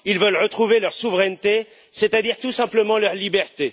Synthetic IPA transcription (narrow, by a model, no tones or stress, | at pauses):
ilvœlʁət̪χuvelœʁsuvʁɛnt̪e | set̪ad̪iʁt̪usɛ̃pləmɑ̃lœʁlibɛʁt̪e